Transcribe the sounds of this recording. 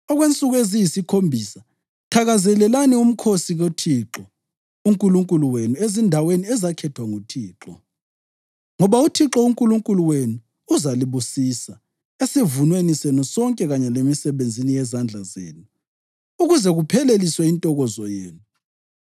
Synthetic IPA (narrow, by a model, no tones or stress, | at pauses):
ɔɣwent͡sʼuɣuezijisikʰombʱiːsa | tʰaɣazɛlɛlanium̩kʰosiɣotʰiǁɔ | uŋkʼuluŋkʼuluwenuezindʱaweniɛzakʰɛtʰwaŋutʰiːǁɔ | ŋɔβautʰiǁɔuŋkʼuluŋkʼuluwenuː | zaliβusisa | esivunwenisɛnɔsɔŋkʼɛɣaɲɛlemisɛβend͡zʱinijɛzand͡ɮʱazḛːnu | uɣuzɛɣupʰɛleliswɛintʼɔɣɔzɔjeːnu